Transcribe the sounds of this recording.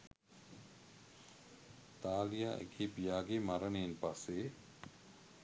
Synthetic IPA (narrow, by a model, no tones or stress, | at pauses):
t̪aːlijaːʔḛkʰiːpijaːɡemaɾənejnpasːe